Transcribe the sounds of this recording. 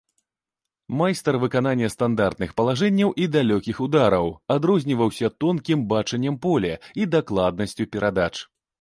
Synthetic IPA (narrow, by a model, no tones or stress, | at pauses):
majst̪ɐrvɨkananʲːɐst̪and̪art̪nɨxpɐlˠaʐɛnʲːɐwʔid̪alʲɔkʲixud̪aɾɐwad̪ɾɔzʲnʲivɐwsʲɐt̪ɔnkʲimbat͡ʂɐnʲːɐmpɔlʲɛid̪aklˠad̪̚nɐsʲt͡sʲupʲɛɾʔad̪at͡ʂ